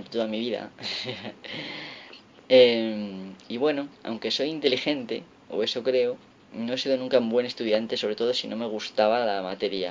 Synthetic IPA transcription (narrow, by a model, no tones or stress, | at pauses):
t̪t̪oðamiβ̞iða̰se | emiβwe̞no̞a̰wŋke̞so̞jint̪e̞lixe̞nt̪e̞̰ | o̰e̞so̞kɾe̞o | no̞esiðo̞nũŋkambwe̞ne̞st̪uð̞jant̪e̞so̞β̞ɾe̞t̪oðo̞sinʔo̞me̞ɣ̞ust̪aβ̞alamat̪e̞ɾia̰